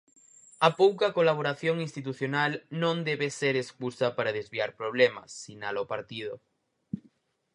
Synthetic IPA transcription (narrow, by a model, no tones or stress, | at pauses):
apowkakolaβ̞oɾaθjoŋinst̪it̪uθjonalnõnd̪eβeseɾeskusapaɾaðezβiaɾpɾoβ̞lema̰sːinalopaɾt̪ið̞o